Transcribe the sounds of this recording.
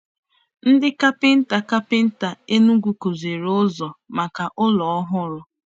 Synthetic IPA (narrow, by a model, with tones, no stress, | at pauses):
n̩˦dɪ˦ka˦pɪ˦n̩˦ta˨ka˦pɪ˦n̩˦ta˨e˦nu˦ɡʷu˨ko˨ze˨ɾʊ˦zɔ˨ma˨ka˨ʔʊ˦lɔ˨ɔ˦ɦʊ˦ɾʊ˦